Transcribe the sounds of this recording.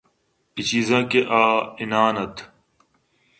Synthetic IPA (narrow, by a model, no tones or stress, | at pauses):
pit͡ɕiːzãːkeʔaːɪnaːnɐt̪ʰ